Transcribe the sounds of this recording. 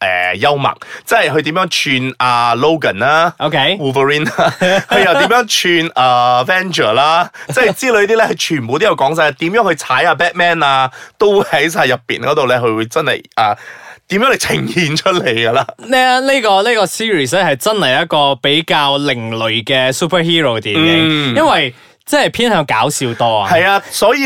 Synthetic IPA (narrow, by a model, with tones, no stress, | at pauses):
ʔɛ̰ː˨jɐ˥wmɐ̰˨˩k̚t͡sɐ˥ɐ˨jɦɵ˧ɥt̪iː˨˥mjœː˨˧˥ŋt͡ʃʰyː˧nʔaː˨˧lo˥wkɐ˨˩naː˥ʔo˧kʰe˨˥juː˨˧fə˧ɹiː˥na˥hɵ˧jjɐ˨wt̪i˧˨˥mjœː˨˥ŋt͡ʃʰyː˧naː˨fɛː˥nt͡ʃəː˨˩laː˥ɐ˥˨jt͡siː˥lɵ˨˧ɥt̪̬iː˥lɛ˥hɐ˨˧t͡ʃʰyː˨˩nmpo˨˧t̪i˥jɐ˨˩wkɔː˨˥ŋs̬ɐ˧ja˧˥t̪iː˨˥mjœː˨˥ŋhɵ˧jt͡sʰaː˨˥jaː˧p̬ɛː˥t̚mɛː˥naː˧t̪o˥whɐ˨˥js̬aː˧jɐ˨pːḭː˨˩nkɔː˨˥t̪o˨wlɛ˥kʰɵ˧ɥwuː˨˧jt͡sɐ˥nhɐ̰˨˩jʔaː˨˩t̪iː˨˥mjœː˨˥ŋlɐ˨˩jt͡sʰɪ˨˩ŋhiː˧nt͡ʃʰɵ˥t̚le˨˩jɡɐ˧laː˧nɛː˥˧le˥kɔː˧le˥kɔː˧siː˥ɹiː˨˩s̬lɛː˥hɐ˨jt͡sɐ˥nhɐ˨jɐ˦˥t̚kɔː˧pe˨˥jkaː˧wlɪ˨˩ŋlɵ˨˩ɥkɛː˧suː˥pʰɐ˥hiː˥ɹo˨wt̪iː˨ne˨˩jɐ˥nwɐ˨j | t͡sɛː˥˩˨pʰiː˥nhœː˨˧˥ŋkaː˨˥wsiː˧wt̪ɔː˥a̰ː˧hɐ˨jaː˧sɔː˨˥jiː˧